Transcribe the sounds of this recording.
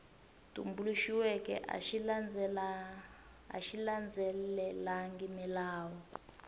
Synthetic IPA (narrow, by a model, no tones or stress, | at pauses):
tṵmbuluʃiwɛkɛ̰ʔa̰ʃiand͡z | a̰ʃiland͡zɛllɛlaŋɡimilaːwɔ